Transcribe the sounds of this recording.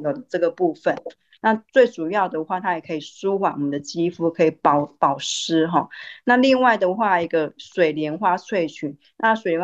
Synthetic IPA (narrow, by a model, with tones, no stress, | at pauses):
jo˨˩d̪ə˩ʈ͡ʂɤ˥˩ɡə˩pu˥˧fə˨n | na˥˧t͡swe˥˩ɪʈ͡ʂu˨˩jɑ˥˩ʊd̪ə˩xwa˥˩t̪ʰa˥jɛ˨˩kʰɤ˧˥i˨˩su˥˦xwa˨˩wɔ˨mə˨nd̪ə˨t͡ɕi˥fu˧˥kʰɤ˧˦˥i˨˩pɑ˨˩ʊpɑ˨˩ʊʂɻ̩˥ɦɔ˥˨˦na˥˧li˥˧ŋwa˥˩ɪd̪ə˩xwa˥˧i˧˥ɡə˧swe˨˩ɪljɛ˧˥nxwa˥t͡sʰwe˥˩ɪt͡ɕʰy˨˥˦n | na˥˧swe˨˩ljɛ˧˦˥